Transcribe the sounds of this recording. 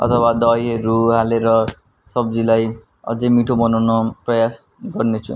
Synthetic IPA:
ʌ̰t̪ʰʌwad̪ʌjʌɾuɦaleɾʌ | sʌb̚d͡zilaj | ʌ̰d͡zʌjmiʈʰobʌnawnʌprʌjas | ɡʌrnet͡sʰṵ̃

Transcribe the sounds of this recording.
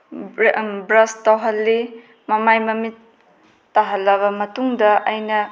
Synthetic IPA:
bɾɐstɐwɦɐlːi | mɐmajmɐmitː | aɦɐlːɐβɐmɐtuŋdɐʔɐjnɐ

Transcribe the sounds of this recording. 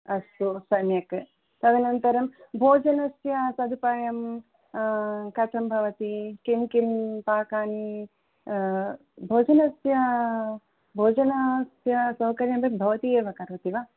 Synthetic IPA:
ɐst̪usɐmjɐk | t̪ɐʋinɐnt̪ɐɾɐmbʱoːd͡ʒɐnɐsjɐsɐd̪upaːjɐm | kɐt͡ʃʰɐmbʱɐʋɐt̪ikinkinpaːkaːni | bʱoːd͡ʒɐnɐsjɐ | bʱoːd͡ʒɐnasjɐsɐwkɐɾjɐmbʱɐkbʱɐʋɐt̪ieːʋɐkɐɾʋɐt̪iʋa

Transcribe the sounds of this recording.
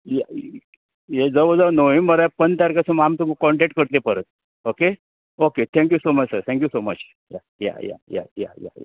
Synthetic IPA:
ja | jed͡zəʋd͡zəʋnoimːəɾapənt̪aɾkasumamt̪umikɔɳʈek̚ʈ̚kəɾt̪epəɾət̪̚ | oke | oket̪ʰɛ̃ŋkjusomət͡ɕsəɾt̪ʰɛ̃ŋk̬jusomət͡ɕ | ja | ja̰ja̰ja̰ja̰ja̰ja̰

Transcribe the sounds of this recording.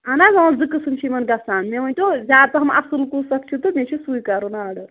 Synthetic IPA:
ɐnazɐɐ̃zɨkːɨsɨnt͡ʃʰimɐnɡɐsaːnmeʋɐnʲʈozʲaːt̪ɐɦɐmɐsɨlkusɐkt͡ʃʰit̪omet͡ʃʰisujkɐɾonaːɽɐ

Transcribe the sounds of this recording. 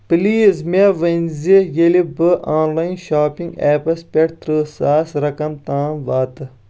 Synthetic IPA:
piliːzmeʋɐnʲzijelibɨʔaːnlaːinʃaːpĩŋɡɛːpɐspʲeʈt̪ɾɨːsaːsɾɐkɐmt̪aːnʋaːt̪ɨ

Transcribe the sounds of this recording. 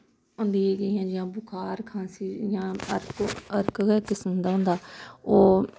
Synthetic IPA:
ʊ̃nd̪iːeːɡəːɦãːd͡ʒɪãːbʊkʰaːɾkʰãːsiːjãːəɾkəɾkːkɪsənd̪aːɦʊ̃ːnd̪aːoː

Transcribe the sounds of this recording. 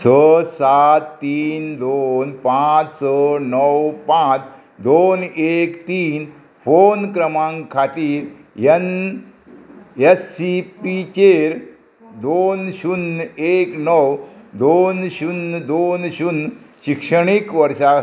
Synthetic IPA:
səsat̪ːiːnd̪onpãt͡ssənəwpãt͡s | d̪onekt̪iːn | fonkɾəmãŋkʰat̪iːɾ | jən | esːipit͡ɕeɾ | d̪onɕuneknəwd̪onɕund̪onɕunɕikʂəɳikʋəɾʂa

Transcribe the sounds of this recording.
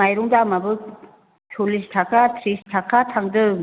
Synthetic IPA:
ajɾuŋdamabɯ | t͡ʃʰolistʰakatʰɾistʰakʰːatʰaŋdɯ

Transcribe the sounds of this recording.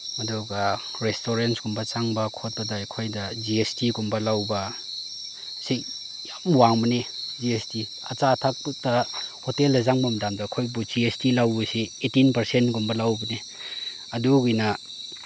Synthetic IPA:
mɐduɡa | ɾestoɾensɡumbɐt͡ʃaŋbɐkʰot̚bɐdajkʰojdɐd͡ʒiestiɡumbɐlawbɐ | si | jamwaŋmɐned͡ʒiesti | ɐ̰t͡ʃatʰak̚tɐhoteldɐzaŋbɐmɐdamdɐkʰojbud͡ʒiestilawbusietinpɐɾsentɡumbɐlawbɐne | ɐduɡina

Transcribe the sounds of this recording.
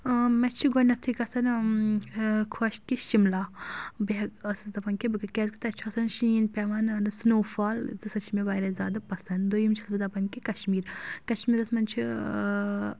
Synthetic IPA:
mɐt͡ʃʰiɡɔnːɐɾt̪ʰikɐsɐn | kʰɐʃkiʃimlaːbiɐɡɐsɨd̪ɐpɐnkibɨkɨkʲɛzkit̪ɐt͡ʃʰɐsɐnʃinpʲɛʋanɐnɨsnoːfaːlt̪ɨsɐt͡ʃʰimebaːjɾɐzʲa̰ːd̪ɐpɐsɐnd̪d̪ojimt͡ʃʰisbɨzɐpɐnkikɐʃmiːɾkɐʃmiːɾɐsmɐnt͡ʃʰi

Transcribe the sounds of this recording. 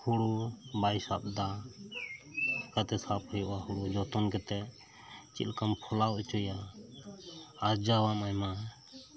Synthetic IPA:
huɽubajsa̰b̚d̪a | kat̪ɛsap̚ʰhəjɔʔahuɽud͡ʒɔt̪ɔnkɛt̪ɛ | t͡ʃḭlkampʰɔlat͡ʃɔja | ɾd͡ʒawamajma

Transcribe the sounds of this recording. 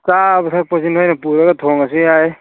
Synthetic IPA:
sabtʰak̚pɔsinɦɔjnapuɾaɡatʰɔŋasiaj

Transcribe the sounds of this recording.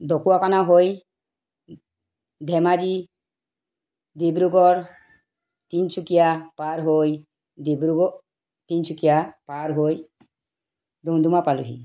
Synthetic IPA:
d̪ɔkuwakanaɦoj | d̪ʱɛmad͡ʒi | d̪ibɾuɡɔɾ | t̪int͡ʃukijapaɾɦoj | d̪ibɾuɡɔ | t̪int͡ʃʰukijapaɾɦoj | d̪umd̪umapalṵɦḭ

